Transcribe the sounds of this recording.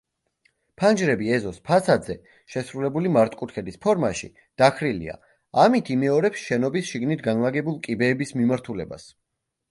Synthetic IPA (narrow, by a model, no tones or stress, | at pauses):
pʰand͡ʒɾɛbiɛzɔspʰasad̪zɛ | ʃɛsɾulɛbulimaɾt̪ʼkʼut̪ʰkʰɛd̪ispʰɔɾmaʃḭ | d̪̥akʰɾilḭa̰ | amit̪ʰimɛɔɾɛpsʃɛnɔbisʃiɡnit̪ʰɡanlˠaɡɛbulˠkʼibɛːbismimaɾt̪ʰulɛba̰s